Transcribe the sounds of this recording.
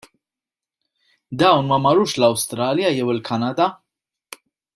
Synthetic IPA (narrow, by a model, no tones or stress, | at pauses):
d̪ɐwnmɐmɐɾuːʃlɐwst̪ɾɐːljɐjɛwɪlkʰɐnɐd̪ɐ